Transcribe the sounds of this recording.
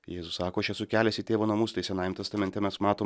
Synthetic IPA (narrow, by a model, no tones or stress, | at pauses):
jeːzʊssɑːkoːɐʃɛsʊkʲæːlʲɛsʲɪt̪ʲeːʋoːnɐmuːst̪ɐɪsʲɛnɐɪmt̪ɐst̪ɐmʲɛnt̪ʲɛmʲɛsmɑːt̪oː